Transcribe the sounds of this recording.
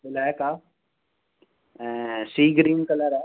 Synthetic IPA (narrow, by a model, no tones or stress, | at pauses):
bʊlakaː | siːɡɾiːnkɐləɾɛ